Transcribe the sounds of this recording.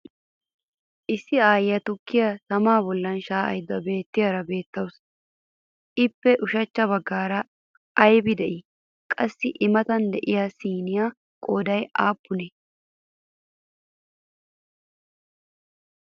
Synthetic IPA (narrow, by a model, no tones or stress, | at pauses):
ʔɪsːɪaːjjɐt̪ʊkːɪjɐsɐmaːbɔlːɐnʃaːʔɐ̰jd̪ːɐbe̞ːt̪ːɪjɐɾɐbe̞ːt̪ːɐws | ʔɪpːɛʔʊʃɐt͡ʃːɐβɐɡːaːɾɐː | jbɪd̪ɛʔɪ | kʼɐsːɪʔɪmɐt̪ɐnd̪ɛʔɪjasiːnɪja | kʼoːd̪ɐjʔaːpːʊnɛ